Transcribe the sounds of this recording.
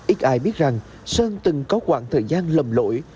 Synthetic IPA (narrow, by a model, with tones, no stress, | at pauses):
ʔi˦˥k̚ʔaː˨˩jɓi˦˥ət̚za˨˩ŋ | səː˧nt̪ɨ˨˩ŋkɔ˨˦kwa̰ː˧˩ŋt̪ʰəː˨˩jzaː˧nlə˨˩mlo̰˧˥j